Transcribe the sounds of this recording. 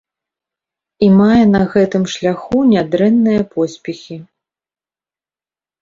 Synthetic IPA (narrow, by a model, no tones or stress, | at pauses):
imajɛnɐɣɛt̪ɨmʂlʲaxunʲad̪ɾɛnːɨjɐpʰɔsʲpʲɛxʲi